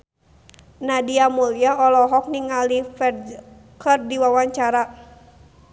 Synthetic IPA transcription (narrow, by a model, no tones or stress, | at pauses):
nadiamuliaɔlɔɦɔk̚niŋalifɛr | kərdiwawaɲt͡ʃaɾa